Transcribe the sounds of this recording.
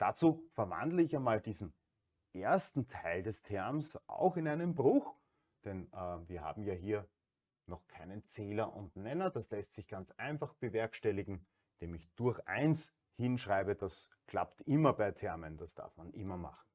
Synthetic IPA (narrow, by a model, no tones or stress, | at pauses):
d̥at͡suːfɛɐva̰ndləɪçanmaːldiːzn̩ | ʔeɐstn̩tʰaɪldɛstʰɛɐmsʔa̰ʊxɪnaɪnəmbʁʊx | d̥ɛnʔːviːɐha̰ːbm̩jaːɦiːɐ | nɔχkʰaɪnənt͡sɛːlɐʔʊ̰ntnɛnɐd̥aslɛstsɪçɡ̥ant͡sʔaɪnfaχb̥əvɛɐkʃtɛlɪɡŋ̩ | d̥eːmɪçd̥ʊɐxʔa̰ɪns | hɪnʃʁaɪbəd̥askʰl̥a̰ptʔɪmɐbaɪtʰɛɐmənd̥asd̥a̰ɐfmanʔɪ̰mɐma̰χn̩